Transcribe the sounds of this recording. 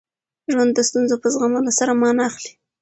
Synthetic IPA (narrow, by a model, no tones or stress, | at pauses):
ʒwand̪ːəst̪unzopəzɣaməlosaɾamɑnɑːxli̥